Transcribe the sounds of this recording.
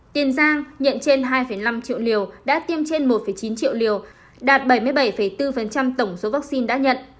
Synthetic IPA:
t̪i˨˩ənzaː˧ŋɲə̰˧˨nt͡ɕe˧nɦaː˧jfə˧˩jna˧mt͡ɕḭ˧˨wli˨˩əwɗa̰ː˧˥t̪i˧əmt͡ɕe˧nmo˨˩t̚fə˧˩jt͡ɕi˨˦nt͡ɕḭ˧˨əwli˨˩əw | ɗaː˨˩t̚ɓə˧˩jmɨ˧əjɓə˧˩jfə˧˩jt̪ɨ˧fə˨˩nt͡ɕa˧mt̪ə˧˩wŋ͡mso˨˦vaː˦˥k̚si˧nɗa̰ː˧˥ɲə̰˧˨nʔ

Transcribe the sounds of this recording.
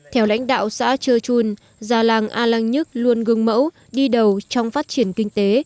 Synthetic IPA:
t̪ʰɛ˧wla̰˧˥jŋ̟ɗa̰ː˧˨wsa̰ː˧˥t͡ɕəː˧t͡ɕu˧n | zaː˨˩laː˨˩ŋʔaː˧laː˧ŋɲɨ˦˥t̚lu˧ənɣɨ˧ŋmə̰˧˥w | ɗi˧ɗə˨˩wt͡ɕɔ˧wŋ͡mfaː˦˥t̚t͡ɕi˧˩ənkï˧ŋ̟t̪e˨˦

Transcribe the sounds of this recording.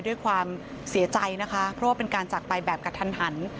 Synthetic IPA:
jdu˥˩əjkʰwaː˧m | si˨˩˦ɐt͡ɕa˧jna˦˥kʰa˦˥pʰɾɔ˦˥waː˥˩pe˧nkaː˧nt͡ɕa˨˩k̚pa˧jbɛː˨˩p̚ka˧t̪ʰa˧nha˩˦n

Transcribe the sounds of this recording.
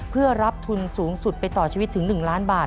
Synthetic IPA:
pʰɯ˥˩ɐəɾa˦˥p̚t̪ʰu˧nsuː˩˦ŋsu˨˩t̪̚pa˧jt̪ɔː˨˩t͡ɕʰiː˧wt̪ʰːɯ˩˦ŋnɯ˨˩ŋlaː˦˥nbaː˨˩

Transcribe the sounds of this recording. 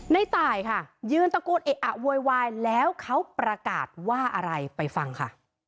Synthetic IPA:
na˧jt̪aː˨˩jkʰa˥˩jɯː˧nt̪a˧koː˧nʔeː˨˩ʔ̚ʔa˨˩ʔwoː˧jwaː˧jlɛː˦˥wkʰa˦˥wpɾa˧ka̰ː˨˩t̪̚waː˥˩ʔa˧ɾa˧jpa˧jfa˧ŋkʰa̰˥˩

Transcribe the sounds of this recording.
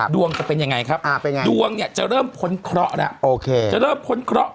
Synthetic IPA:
du˧əŋt͡ɕa˨˩pe˧nja˧ŋa˧jkʰa˦˥p̚ʔa˧˨˩pe˧na˧du˧əŋni˥˩ɐt͡ɕa̰˨˩ɾɤː˥˩mkʰo˨˦nkʰɾɔ˦˥ʔna˦˥ʔʔoː˧kʰeː˧t͡ɕa˨˩ʔɾɤː˥˩mpʰo˨˦nkʰɾɔ˦˥ʔ

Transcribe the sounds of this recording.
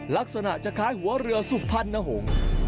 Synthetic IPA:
la˦˥k̚sa˧na˨˩ʔt͡ɕa˨˩kʰaː˦˥jhu˩˦ɐɾɯ˧ɐsu˨˩k̚pʰːa˥˩nːa˧˩ɦoː˩˦ŋ

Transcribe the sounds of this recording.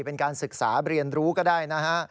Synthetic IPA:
pe˧nkaː˧nsɯ˨˩k̚saː˩˦ɾi˧ənɾuː˦˥kɔː˥˩daː˥˩jna˦˥kʰa˦˥

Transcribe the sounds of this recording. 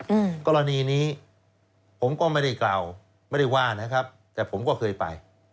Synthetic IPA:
ɯ˧˩kɔː˧ɾa˧niː˧niː˦˥ | pʰo˩˦mkɔː˥˩ma˥˩jda˥˩jklaː˨˩w | ma˥˩jda˥˩jwaː˥˩na˦˥kʰa˦˥p̚t̪ɛː˨˩pʰo˩˦mkɔː˥˩kʰɤː˧jpa̰˧j

